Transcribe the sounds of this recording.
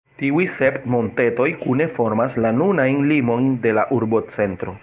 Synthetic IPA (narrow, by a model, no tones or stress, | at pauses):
tiujse̞ptmo̞nte̞to̞jkune̞fo̞ɾmaslanunajnlimo̞jnde̞laʔuɾbo̞t͡se̞ntɾo̞